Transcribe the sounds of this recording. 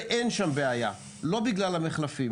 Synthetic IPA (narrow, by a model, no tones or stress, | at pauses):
ʔenʃambeaja̰ | lo̞biɡlalhameχlafi